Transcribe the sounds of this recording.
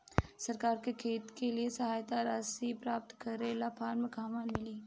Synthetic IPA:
sɐɾkaːɾkekʰeːt̪keliesɐɦaːjt̪aɾaːsipɾaːp̚t̪kɐɾelaːpʰaːɾmẽkaːmãmɪliː

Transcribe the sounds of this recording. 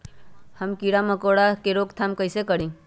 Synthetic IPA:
həmkiɽaməkoɽakeɾoːɡt̪ʰamkəɪsekəɽĩː

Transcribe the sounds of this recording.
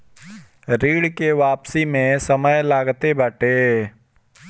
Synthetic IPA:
ɾiːɽkeʋaːpsimẽsəməjlaːɡt̪ebəʈeː

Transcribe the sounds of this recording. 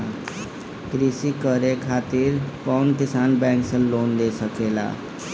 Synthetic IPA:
kɾisikəɾekʰaːt̪ɪɾkɔːnkɪsaːnbɛ̃ːŋksẽloːnd̪esəkeːla̰ː

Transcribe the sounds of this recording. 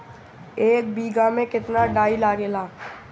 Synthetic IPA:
eːk̚biːɡamẽkɪt̪naɖaːilaːɡeːlaː

